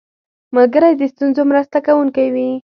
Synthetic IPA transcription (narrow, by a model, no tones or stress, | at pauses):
malɡəɾajd̪əst̪unzomɾast̪akawuŋkajwi